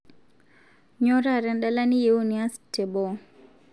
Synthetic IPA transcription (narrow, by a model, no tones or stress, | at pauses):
ɲɔɾaɾɛnɗalanijeuniastɛbɔ